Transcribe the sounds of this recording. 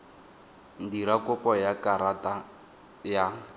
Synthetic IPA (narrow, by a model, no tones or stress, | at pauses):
ndiɾakʼʊpɔjakaɾata | ja